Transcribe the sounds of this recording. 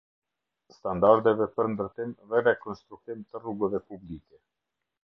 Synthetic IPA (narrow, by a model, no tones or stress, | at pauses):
st̪and̪aɾd̪ɛvɛpəɾnd̪əɾt̪imvɛɾɛkɔnst̪ɾukt̪imt̪əruɡɛvɛpublikɛ